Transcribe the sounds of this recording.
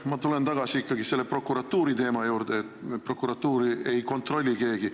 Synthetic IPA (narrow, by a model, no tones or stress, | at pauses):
mɑt̪ule̞nt̪ɑɡɑsiikːɑɡise̞lːepro̞kːuɾɑt̪ːuːɾit̪e̞ːmɑjuːɾd̪eːt̪pro̞kːuɾɑt̪ːuːɾiejko̞nt̪ːro̞lʲːike̞ːɡi